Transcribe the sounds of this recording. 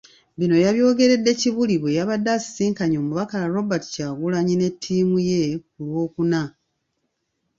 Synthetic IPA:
βino̞jaβjo̞ːɡe̞ɾe̞dːe̞ciβuliβwejaβadːasi̥siːŋkaɲo̞ːmuβakalaɾo̞bati̥caːɡulaɲine̞tʰːiːmuje̞kulwo̞ːkuna

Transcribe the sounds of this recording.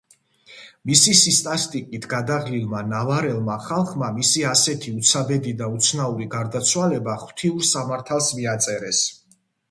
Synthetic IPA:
misisist̪ʼast̪ʼikʼit̪ʰɡad̪aʁlilˠmanavaɾɛlˠmaχalˠχmamisiasɛt̪ʰiut̪sʰabɛd̪id̪aut̪sʰnauɾiɡaɾd̪at̪sʰwalɛbaχt̪ʰiuɾsamaɾt̪ʰalˠsmiat̪sʼɛɾɛs

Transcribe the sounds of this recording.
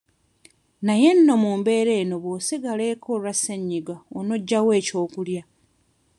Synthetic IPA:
naje̞nːo̞muːmbe̞ːɾe̞ːno̞βoːsiɡale̞ːkʰoɾaseɲːiɡaonoɟːawe̞ːco̞ːkulja

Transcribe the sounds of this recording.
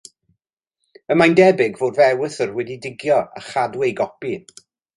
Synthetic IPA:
əmajndɛbɪɡvoːdvɛwəθərwɛdidɪɡjɔa̰χadwɛjɡɔpi

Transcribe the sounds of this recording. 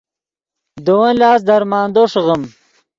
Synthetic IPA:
d̪owɐnlaːs̬d̪ɐɾmaːnd̪oʂɣəm

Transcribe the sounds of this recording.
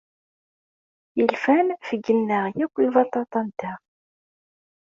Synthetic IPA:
jəlfænfəɡənːəʁjækʷːivɑt̪ˤɑt̪ˤɑnd̪æ

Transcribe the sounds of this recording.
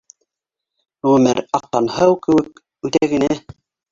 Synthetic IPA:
ʁʉ̆mɘ̰ɾɑqːɑnhɤwkɘ̆wɘk̚ | ʉt̪æɡɘ̆næ

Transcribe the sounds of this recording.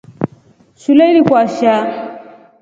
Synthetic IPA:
ʃulɛilikwaʃa

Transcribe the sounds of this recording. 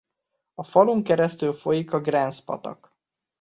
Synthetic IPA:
ɒfɒluŋkɛɾɛst̪ylfo̞jikɒɡrɛnspɒ̰t̪ɒ̰k

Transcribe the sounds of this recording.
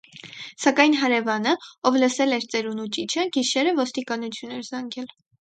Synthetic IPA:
sɑkɑjn̪ɦɑɾɛvɑnəɔvləsɛlɛɾt͡sɛɾunut͡ʃit͡ʃʰəɡiʃɛɾəvɔst̪ikɑnut͡sʰjunɛɾzɑŋɡɛl

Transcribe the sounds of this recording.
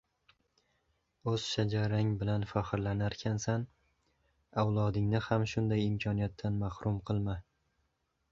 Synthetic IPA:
ɵz̥ʃad͡ʒaɾaŋbɪlanfahɪɾlanaɾkʲʰansan | awlˠɒd̪ɪŋnɪhamʃʊnd̪ajɪmkʲʰɒnijat̪ʰːanmahɾʔʊmqʰɨlˠma

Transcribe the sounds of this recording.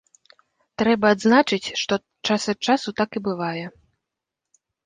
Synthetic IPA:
t̪ɾɛbɐːd̪znat͡ʂɨt͡sʲʂt̪ɔ | t͡ʂasɐt͡ʂasut̪akibɨvajɛ

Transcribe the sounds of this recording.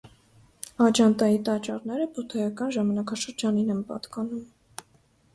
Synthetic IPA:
ɑd͡ʒɑnt̪ɑjit̪ɑt͡ʃɑɾnɛɾəput̪ʰɑjɑkɑnʒɑmɑnɑkɑʃəɾd͡ʒɑninɛnpɑ̰t̪kɑnum

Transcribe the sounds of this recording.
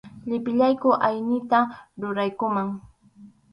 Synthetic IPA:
ʎɪpɪʎajkʊʔajnɪt̪aɾʊɾajkʊmaŋ

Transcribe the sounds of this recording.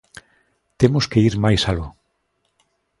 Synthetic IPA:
t̪emʊskeiɾmajsalo

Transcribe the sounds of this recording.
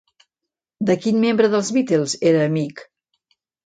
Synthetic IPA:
d̪əkinmembɾəðəlˠzβit̪elˠzeɾəːmik

